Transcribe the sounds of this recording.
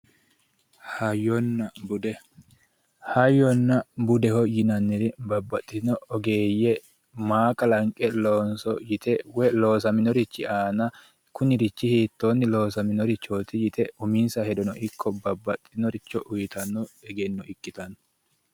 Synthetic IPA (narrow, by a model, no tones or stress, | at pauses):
hɐjɔnːɐbʊd̪ɛ | hɐjːɔnːɐbʊd̪ɛhɔjɪnɐnːɪɾɪbɐbːɐt̪ʼːɪnɔɔɡe̞ːjːɛ | maːkʼɐlɐŋkʼɛloːnsɔjɪt̪ɛwɛlo̞ːs̬ɐmɪnɔɾɪt͡ʃːɪaːnɐ | kʊnɪɾɪt͡ʃːɪhiːt̪ːoːnːɪloːsɐmɪnɔɾɪt͡ʃːoːt̪ɪjɪt̪ʰɛʊminsɐhɛd̪ɔnɔʔɪkʰːɔbɐbːɐt̪ʼːɪnɔɾɪt͡ʃːɔʔʊjɪt̪ɐnːɔɛɡɛnːɔɪkʼːɪt̪ɐnɔ̥